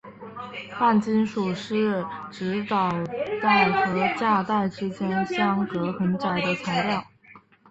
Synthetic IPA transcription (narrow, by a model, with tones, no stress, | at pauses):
fa˥˩nt͡ɕi˥nʂu˨˩ʂɻ̩˥˩ʈ͡ʂɻ̩˧˥t̪ɑ˨˩ʊt̪a˥˩ɪxɤ˧˥t͡ɕja˥˧t̪a˥˩ɪʈ͡ʂɻ̩˥t͡ɕjɛ˥nɕjɑ˥ŋkɤ˧˥xə˧˥nʈ͡ʂa˨˩ɪd̪ə˦t͡sʰa˧˥ɪljɑ˥˩ʊ